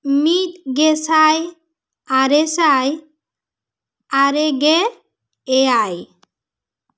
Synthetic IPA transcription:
mit̪ɡesaj | aɾesaj | aɾeɡeː | aj

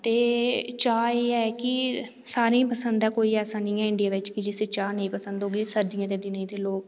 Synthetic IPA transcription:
t̪eːt͡ʃaːeːɛːkɪ | saːɾĩːpəsə̃nd̪ɛːkoːiːɛːsaːnĩːɦɛːɪɳɖɪjaːʋɪt͡ʃkɪd͡ʒɪseːt͡ʃaːnəĩːpəsə̃nd̪ɦoːɡiːsəɾd̪ijãːt̪eːd̪ɪnãːt̪eːloːk

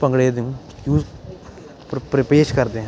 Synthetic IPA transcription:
pəŋɡɽeːd̪ɪũː | jjuːz | pɾɪpeːʃkəɾd̪eɦɛ̃

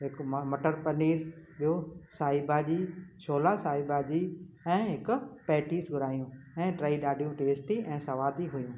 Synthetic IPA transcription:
ɦɪkmmɐʈəɾpɐniːɾɓiosaːibaːd͡ʑiːt͡ɕʰoːlasaːibaːd͡ʑiː | ɛ̃ːɦɪkʊpɛːʈiːsɡʱʊɾaːjũ | ɛ̃ːʈɾaːiɗaːɖʱijũʈeːsʈiʔɛ̃ːsɐʋaːd̪iɦujũː

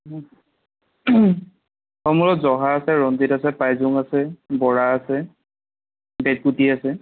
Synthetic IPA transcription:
xɔmulɔtzɔɦaːsɛɹɔnditasɛpajzuŋasɛbɔɹaːsɛ | bet̚kutiasɛ

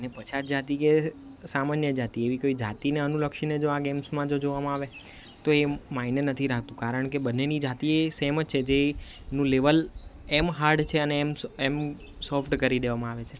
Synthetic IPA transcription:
ənepət͡ʃʰad͡ʒat̪ikesamanjəd͡ʒat̪ieʋikoid͡ʒa̰t̪ineənuləkʃined͡ʒoaɡemsmãd͡ʒod͡ʒoʋamãaʋe | t̪oemainənət̪ʰiɾak̚ʰt̪ũkaɾəɳ̃kebənːenid͡ʒat̪iesemət͡ʃʰed͡ʒe | nũleʋəl | emɦaɾɖt͡ʃʰeəneːmsem | sɔfʈkəɾid̪eʋamãaʋet͡ʃʰe

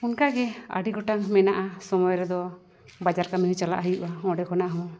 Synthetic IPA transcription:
unkaɡɛa̰ɖiɡɔʈaŋmɛnaʔasɔmɔjɾɛd̪ɔ | bad͡ʒaɾkamiɦut͡ʃala̰ʔɦəjuʔaɔ̃ɖɛkʰɔnaʔɦɔ̃

